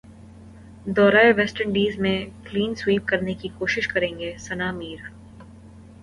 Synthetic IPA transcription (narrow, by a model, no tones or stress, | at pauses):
d̪ɔːɾaːeʋɛsʈəɳɖiːzmẽkliːnswiːp̚kɐɾnekikoːʃɪʃkɐɾẽːŋɡesɐnaːmiːɾ